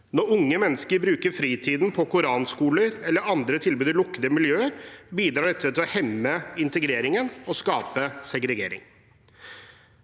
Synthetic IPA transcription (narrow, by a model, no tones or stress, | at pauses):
nɔɾʊŋːəmɛnːəskəɾbɾʉːkəɾfɾiːt̪ʰiːd̪npʰɔkʊɾɑːnskuːləɾɛlːəɾɑnd̪ɾət̪ʰɪlbʉːd̪ɪlʊkːəd̪əmɪljøːəɾbiːd̪ɾɑːɖɛt̪ʰːət̪ʰɪlɔhɛmːəɪnt̪əɡɾeːɾɪŋənɔskɑːpəsɛɡɾɛɡḛːɾɪ̰ŋ